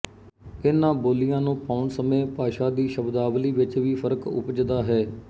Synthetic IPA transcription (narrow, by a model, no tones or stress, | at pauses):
ɪnãːboːlɪjãːnũːpaːʊɳsəmẽːpaːʃãːd̪iːʃəbd̪aːʋliːʋɪt͡ʃʋiːpʰəɾkʊ̰pd͡ʒd̪aːɦɛː